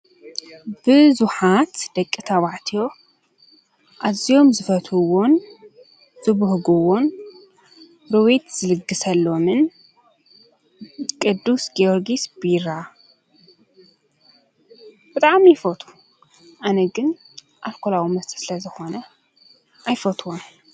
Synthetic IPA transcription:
b̥ɨzuħat̪d̪̥ɐkʼːit̪ʰaβaʕt̪ʰijo̞ | ʔazijo̞mzɨfɐt̪ʰuwon | z̥ɨβʊhɡɨwon | ɾɨwet̪z̥ɨlɨɡːɨsɐlːo̞mɨn | kʼɨd̪ːusɡioɾɡisbiɾa | b̥ɨt̪ʼaʕmijfot̪ʰu̥ | ʔanɐɡɨn | ʔalkʰolawimɐst̪ʰʼi̥sɨlɐzɨxo̞nɐ | ʔajfot̪ʰwom

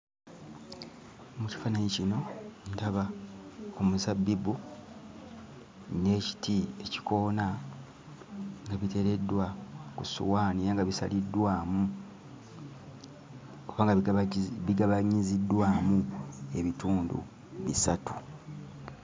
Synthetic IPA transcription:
muci̥fanaɲicino̞ntaβa | omuzabːibu | ne̞ːci̥tʰie̞ci̥ko̞ːna | ŋɡaβite̞ɾe̞dːwakusṵwaːnijaŋɡaβisa̰lidːwaːmu | o̞βaːŋɡaβiɡaβaɲizidːwaːmue̞βituːndṵ | βisatu̥

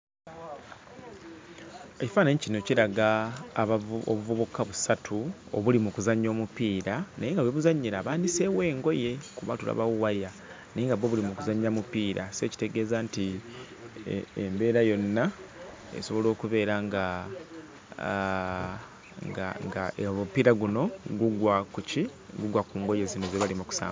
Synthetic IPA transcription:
eci̥faːnaɲicinociɾaɡaːβoβuvoβukʰaβusatʰuo̰βulimukuzaɲːo̞ːmupiːɾanajeŋɡaweβuzaɲːiɾaːβaːnise̞we̞ːŋɡo̞je̞kuβa̰tula̰βawuwaja | naiŋɡaβweβulimukuzaɲːamupiːɾʔase̞ːci̥te̞ɡe̞ːzanti | embe̞ːɾajo̞nːa | ḛso̞βo̞lo̞ːkuβe̞ːɾaŋɡa | ŋɡaŋɡamupiːɾaɡuno̞ɡuɡwakuciɡuɡwakuːŋɡo̞je̞zino̞zeβalimuku̥sa̰ː

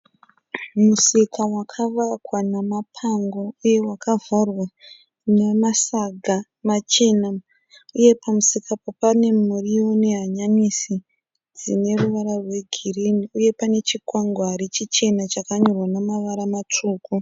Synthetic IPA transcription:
musikawakʰaʋakwanamapʰaŋɡo̞uje̞wakavarwa | nemasaɡʱa | mat͡ʃe̞na | uje̞pamusikʰapapane̞muriwone̞ɦaɲaɲisi | d͡zine̞ruʋaɾarwe̞ɡʱiriniuje̞pane̞t͡ʃikwaŋɡoɦaɾit͡ʃit͡ʃe̞nat͡ʃakaɲorwanamaʋaɾamat͡ʂuːku

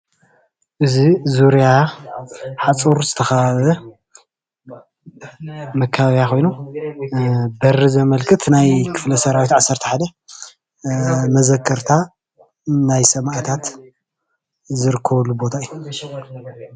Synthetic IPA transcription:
ʔɨzizuɾja | ħat͡sʼuɾzɨt̪ʰɐxɐβaβɐ | mɐkʰːaβaβijaxʰo̞jnu | bɐrːizɐmɐlkʰɨt̪najkʰɨ̥flɐsɐɾawit̪ʕasːɐɾt̪ʰɐħad̪ɐ | mɐzɐkʰːɐɾt̪ʰa | najsɐmaʔt̪ʰat̪ | zɨɾɨkʰːɐβɐlːubo̞t̪ʰaɨjːu

